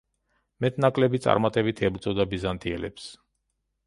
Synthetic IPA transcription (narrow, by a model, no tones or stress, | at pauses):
mɛt̪ʰnakʼlɛbit̪sʼa̰ɾmat̪ʼɛbit̪ʰɛbɾt̪sʼɔd̪abizant̪ʰiɛlɛ̰ps